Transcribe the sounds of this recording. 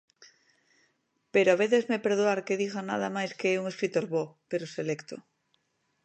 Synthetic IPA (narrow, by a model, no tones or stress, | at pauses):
peɾoaβeθezmepeɾðuaɾkeðiɣana̰ð̞amajskeeuŋeskɾit̪oɾβopeɾoselekt̪o